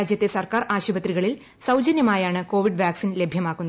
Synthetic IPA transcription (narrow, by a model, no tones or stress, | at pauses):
aːd͡ʑjɐt̪ːe̞sɐrkaːraːɕubɐt̪riɣɐɭil | sɐwd͡ʑɐnjɐmaːjaːɳɨko̞ːʋiɖʋaːksinle̞bʱjɐmaːkːunːɐ